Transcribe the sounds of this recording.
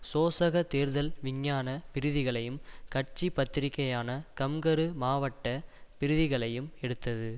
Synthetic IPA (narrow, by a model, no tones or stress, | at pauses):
soːsɐɣɐt̪eːɾðɐlʋɪɲːaːnɐpɪɾɯðɪɣɐɭɐjɯmkɐʈt͡ʃipːɐt̪ːɪɾɪkːɐjaːnɐkɐmɡɐɾɯmaːʋɐʈːɐpɪɾɯðɪɣɐɭɐjɯmɛɽɯt̪ːɐðɯ